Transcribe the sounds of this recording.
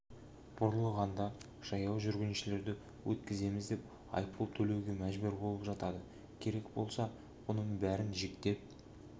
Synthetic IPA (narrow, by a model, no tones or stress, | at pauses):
b̥oɾlˠəʁɑnd̪ɑ | ʒ̥ɑjɑwʒʏɾɡʲɪnʃɪle̞ɾd̪ɪ | wʔɵt̪kʲɪze̞mɪzd̪e̞p̚ | ɑ̰jpəlˠt̪ʰɵle̞wɡʲe̞mæʒbɵɾbo̞lˠəpʒɑt̪ɑd̪ə | kʲʰe̞ɾe̞kbo̞̰lˠsɑ | wonəɴbæɾɪnʒekt̪e̞p̚